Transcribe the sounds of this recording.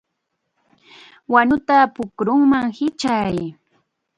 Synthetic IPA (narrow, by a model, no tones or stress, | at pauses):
waɲʊt̪apʊkɾʊŋmaŋhɪt͡ʃaj